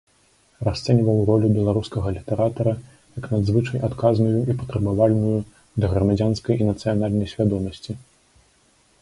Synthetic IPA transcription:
rast̪sɛnʲivɐwrɔlʲubʲɛlˠaɾuskɐɣɐlʲit̪ɛɾat̪ɐɾɐ | jɐknad̪zvɨt͡ʂɐjat̪kaznujuipɐt̪ɾɐbavalʲnuju | d̪ɐɣɾɐmad͡zʲanskɐjinɐt̪sɨjanalʲnɐjsʲvʲad̪ɔmɐsʲt͡sʲi

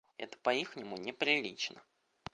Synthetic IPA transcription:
ɛ̰t̪ə̥pɐixnʲɪmʊnʲɪpɾʲɪlʲit͡ɕnə

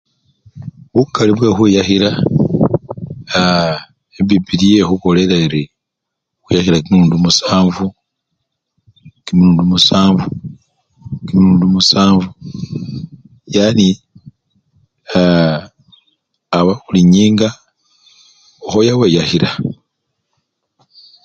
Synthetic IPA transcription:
βukaliβwe̞xwijaxiɾa | a | eβibilije̞xuko̞le̞laeɾi | xwijaxiɾakinuːndumusaːɱvu | kimiluːndumusaːɱvu | kimiɾuːndumusaːɱvu | jani | a | βauliɲiːŋɡa | oxojaweːjaxiɾa

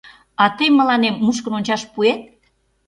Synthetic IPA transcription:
ɑt̪əjmːə̆lɑnemːuʃkənonʲt͡ɕɑʃpuet̪̚

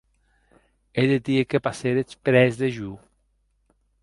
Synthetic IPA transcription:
ed̪ed̪iekepaseɾet͡ʃpɾɛzd̪eʒu

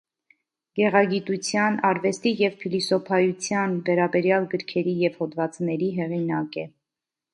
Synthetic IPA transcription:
ɡ̥ɛʁɑɡit̪ut͡sʰjɑnɑɾvɛst̪ijɛvpʰilisɔpʰɑjut͡sʰjɑnvɛɾɑbɛɾjɑlɡəɾkʰɛɾijɛvhɔd̪vɑt͡snɛɾiɦɛʁinɑkɛ

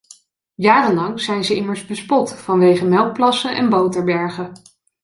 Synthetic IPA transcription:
jaːrənlɑŋz̥ɛjnzəɪməɹzbəspɔtfɑnʋejχəmɛlˠk̚plɑsənʔɛ̰nbowtəɹbɛɹχə

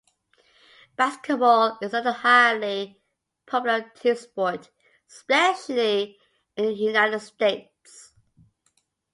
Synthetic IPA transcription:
b̥æskət̚bɔlɪzətəhaɪli | pʰɔpjlətʰɪspɔot | spɛʃli | ɪ̃njunaɪtəd̥steɪt | s

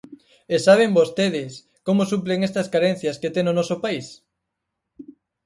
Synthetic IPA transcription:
esaβ̞eŋbost̪eðɪs | komosupleŋest̪ɐskaɾen̟θjɐsket̪eŋonɔsopais

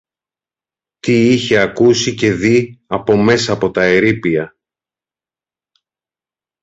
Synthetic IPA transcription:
t̪iiçe̞ɐkusice̞ðiɐpo̞me̞sɐːpo̞t̪ɐe̞ɾipiɐ

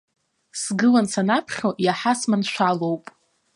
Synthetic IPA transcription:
sɡɨlansʰanapʰχʲojaħasmanʃʷᶣalowpʼ

